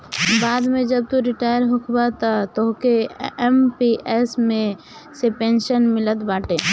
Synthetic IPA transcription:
baːd̪mẽd͡ʒəb̚t̪uɾɪʈaːjəɾɦʊkʰbat̪at̪oɦkeɛmpiʔɛsmẽ | sepẽːnʃənmɪlət̪baːʈeː

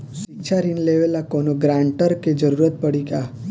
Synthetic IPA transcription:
sit͡ʃʰaɾinleʋelakonoɡɾãɳʈəɾked͡ʒəɾuɾət̪̚pəɽiɡa

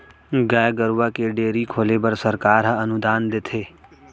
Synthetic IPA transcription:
ɡaːjɡəɾʋakeɖeːɾikʰoːlebəɾsəɾkaːɾɦəɐnʊd̪aːnd̪et̪ʰeː

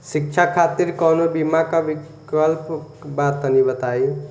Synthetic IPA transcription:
sik̚t͡ʃʰakʰat̪iɾkʌnobimakabi | kʌlp | bat̪̚ʌnibʌt̪ai

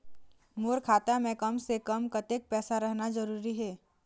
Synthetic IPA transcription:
moːɾkʰaːt̪amẽkəmsekəmkət̪ek̚pɛːsaɾɐɦnad͡ʒəɾuːɾiɦɛː

